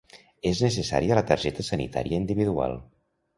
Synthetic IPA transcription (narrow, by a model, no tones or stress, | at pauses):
eznesesa̰ɾiələt̪əɾʒɛt̪əsənḭt̪a̰ɾijəind̪iβiðua̰lˠ